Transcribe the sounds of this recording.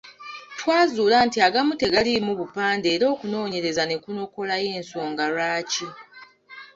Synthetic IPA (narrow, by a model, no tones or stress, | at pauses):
twaːzuːlaːntiaɡamute̞ɡalimuβupaːnde̞ːɾo̞ːkuno̞ːɲe̞ɾe̞zane̞kuno̞ko̞laje̞ːnso̞ːŋɡaɾaːci